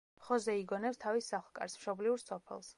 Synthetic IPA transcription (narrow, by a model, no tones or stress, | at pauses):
χɔzɛiɡɔnɛpst̪ʰavisaχlˠkʼa̰ɾsmʃɔbliuɾsɔpʰɛ̰lˠs